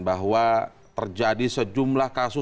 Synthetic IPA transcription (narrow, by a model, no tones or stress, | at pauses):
baɦwa | t̪ərd͡ʒadisəd͡ʒumlahkasʊ